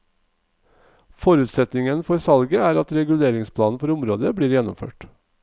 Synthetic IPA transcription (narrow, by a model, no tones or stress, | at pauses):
fɔɾʉːt̪sɛt̪nɪŋənfɔɾsɑlɡəæːɾɑt̪ɾɛɡʉleːɾɪŋspʰlɑːn̩fɔɾʊmɾoːd̪əbɽiːɾjɛnɔ̰mfø̰ːʈ